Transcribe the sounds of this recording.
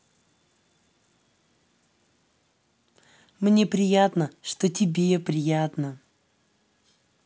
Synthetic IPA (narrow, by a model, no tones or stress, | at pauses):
mnʲe̞pɾʲɪjat̪nəʂt̪otʲɪbʲepɾʲɪjat̪nə